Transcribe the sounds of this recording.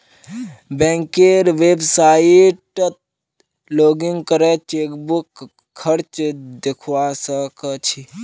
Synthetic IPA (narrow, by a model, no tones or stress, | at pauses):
bɛ̃ːŋkeːɾʋeːbsaːiʈt̪̚ | loːɡiŋɡkəɾet͡ʃeːkbuk | kʰːəɾt͡ʃd̪ekʰwaːsəkət͡ʃʰi